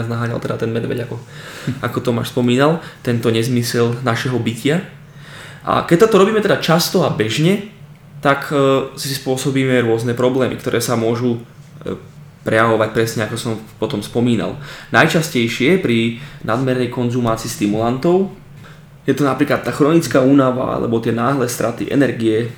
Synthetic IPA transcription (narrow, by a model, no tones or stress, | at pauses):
aznaɦaːɲa̰lt̪ɛd̪a̰t̪ɛnmɛd̪ʋɛ̰ɟakɔakɔt̪ɔma̰ːʃspɔmiːnalt̪ɛnt̪ɔɲɛzmisɛlnaʃɛɦɔbicɪa | ʔa̰kɛc̚t̪at̪ɔɾɔbiːmɛt̪ɛd̪at͡ʃast̪ɔabɛʒɲɛ | t̪aksispʊɔsɔbiːmɛɾʊɔznɛpɾɔblɛːmḭkt̪ɔɾʔɛːsamʊɔʒu | pɾɛjaʋɔʋac̚pɾɛsɲɛakɔsɔmpɔt̪ɔmspɔmiːna̰lnajt͡ʃascɛjʃɪɛpɾinad̪mɛɾnɛjkɔnzumaːt͡siːst̪imulant̪ɔʊ | jɛt̪ɔnapɾiːklat̪ːaːxɾɔnit͡skaːuːnaʋa̰a̰lɛ̰bɔt̪ɪɛnaːɦlɛːst̪ɾʔat̪ḭʔɛ̰nɛɾɡiɛ